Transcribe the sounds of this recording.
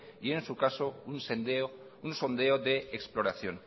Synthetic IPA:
ie̞nsukasounsend̪eounso̞nd̪e̞oðe̞eksplo̞ɾaθjo̞n

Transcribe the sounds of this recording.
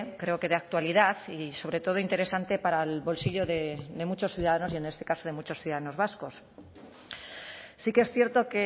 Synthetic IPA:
kɾe̞o̞ke̞ðeak̚t̪waliðaθiso̞βɾe̞t̪o̞ð̞o̞int̪e̞ɾe̞sant̪e̞paɾalβo̞lsiʝo̞ðe̞d̪e̞mut͡ʃo̞sθjuðaðano̞siene̞st̪e̞kaso̞ð̞e̞mut͡ʃo̞sθjuðaðano̞zβasko̞s | sikeesθje̞ɾt̪o̞ke

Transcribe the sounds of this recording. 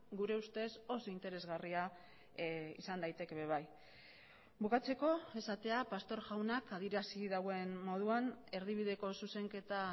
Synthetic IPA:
ɡuɾe̞ust̪e̞so̞so̞int̪e̞ɾe̞zɣaria | ḭsand̪ajt̪e̞ke̞βe̞β̞aj | βukat͡se̞ko̞e̞sat̪e̞apast̪o̞ɾʝawnakað̞iɾasiðaɣoe̞nmo̞ð̞uane̞ɾðiβiðe̞ko̞suse̞ŋke̞t̪a

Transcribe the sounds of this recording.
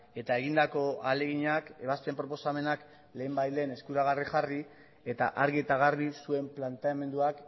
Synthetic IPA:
e̞t̪ae̞ɣind̪ako̞ale̞ɣiɲake̞βaspe̞mpɾo̞po̞same̞nak | le̞ːmbajt̪le̞ːne̞skuɾaɣ̞arixari | e̞t̪a̰ʔaɾɣiet̪aɣ̞aɾβisue̞mplant̪e̞ame̞nd̪uak

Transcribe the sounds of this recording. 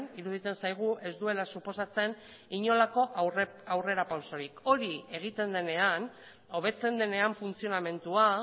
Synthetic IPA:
niɾuðit̪e̞nsajɣ̞uʔe̞zd̪ue̞lasupo̞sat͡se̞n | iɲo̞lako̞ʔr | awre̞ɾapawso̞ɾiko̞ɾie̞ɣ̞it̪e̞nd̪e̞ne̞an | o̞β̞e̞t͡se̞nd̪e̞ne̞aɱfunt͡sio̞name̞nt̪ua

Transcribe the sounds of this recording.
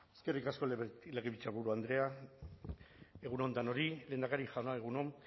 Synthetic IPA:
e̥skerikasko̞lleɣeβit͡ʃaβuɾuand̪ɾe̞a | e̞ɣuno̞nt̪ano̞ɾile̞ːnd̪akaɾiʝaonaeɣ̞uno̞m

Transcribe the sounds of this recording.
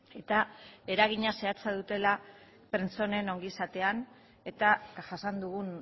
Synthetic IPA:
e̞t̪ae̞ɾaɣ̞iɲase̞at͡saðut̪e̞la | pɾent͡so̞ne̞no̞ŋɡisat̪e̞an | e̞t̪aʝasand̪uɣun

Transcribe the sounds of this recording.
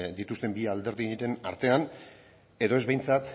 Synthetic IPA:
d̪it̪ust̪e̞mbiald̪e̞ɾðiɾe̞naɾt̪e̞an | e̞ðo̞ezβe̞jnt͡sat̪

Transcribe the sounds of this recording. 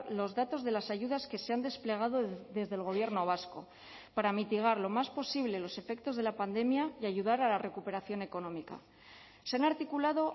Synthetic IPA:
lo̞zðat̪o̞zð̞e̞lasaʝuðaske̞se̞and̪e̞sple̞ɣ̞aðoðe̞zðe̞lɣo̞β̞je̞ɾno̞β̞asko̞̰ | paɾamit̪iɣ̞aɾlo̞maspo̞siβle̞lo̞se̞fe̞k̚t̪o̞zð̞e̞lapand̪e̞mjaiaʝuð̞aɾalare̞kupe̞ɾaθjo̞ne̞ko̞nõ̞mika̰ | seanaɾt̪ikulaðo̞

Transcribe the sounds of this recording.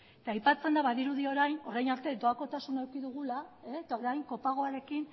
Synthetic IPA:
et̪aːjpat͡se̞nd̪aβaðiɾuðio̞ɾajno̞ɾajnaɾt̪e̞d̪o̞ako̞t̪asunaewkiðuɣ̞ulaeet̪aoɾajŋko̞paɣ̞o̞aɾe̞kin

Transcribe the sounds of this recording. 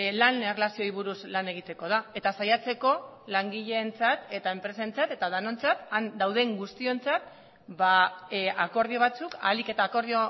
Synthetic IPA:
lanerlasio̞iβ̞uɾuslane̞ɣ̞it̪e̞ko̞ð̞ae̞t̪asajat͡se̞ko̞laŋɡiʎe̞nt͡sat̪e̞t̪ae̞mpɾe̞sent͡sat̪e̞t̪aðano̞nt͡sat̪and̪awð̞e̞ŋɡust̪io̞nt͡sat̪̚ | baako̞ɾð̞io̞β̞at͡suka̰like̞t̪aːko̞ɾðio

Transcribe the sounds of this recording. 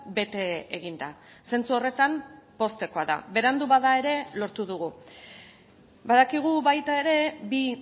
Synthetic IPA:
be̞t̪e̞eɣind̪a̰ | se̞nt͡suo̞re̞t̪ampo̞st̪e̞ko̞aða̰be̞ɾand̪uβaðae̞ɾe̞lo̞ɾt̪uðuɣ̞u | baðakiɣ̞uβajt̪ae̞ɾe̞bi

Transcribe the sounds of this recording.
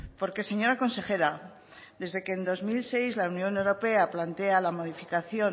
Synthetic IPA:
po̞ɾke̞se̞ɲo̞ɾako̞nse̞xe̞ɾa | d̪e̞zðe̞keːnd̪o̞zmilse̞jzlaunjõ̞newɾo̞pe̞aplant̪e̞alamo̞ðifikaθjo̞

